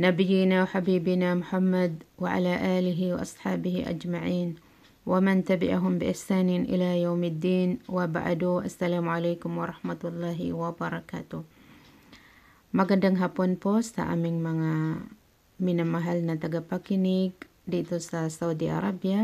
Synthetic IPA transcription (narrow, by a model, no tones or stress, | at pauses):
nabijinawħabiːbinamʊħamːad̚waʕa̰laʔaːliɦiwa̰ʔɑsˤħaːbiɦiʔa̰d͡ʒmaʕiːn | wamant̪abiʔaɦʊmbiʔɪħsaːnɪnʔḭlajawmad̪ːiːnwaba̰ʕ̰duʔasːalaːmʕalajkʊmwaɾˤɑħmat̪ulːɑɦḭwabaɾˤɑkat̪ʊh | maɡandaŋɦapʊnpɔst̪a̰ʔa̰mɪŋmaŋa | minamːaɦalnat̪aɡapakinik | diit̪usasaudiʔa̰ɾˤabia